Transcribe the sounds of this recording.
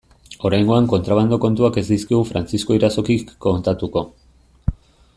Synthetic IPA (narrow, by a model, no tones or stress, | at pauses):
o̞ɾajŋɡo̞aŋko̞nt̪ɾaβ̞and̪o̞ko̞nt̪uake̞zd̪iskiɣ̞ufɾant͡sisko̞iɾaso̞kikːo̞nt̪at̪uko̞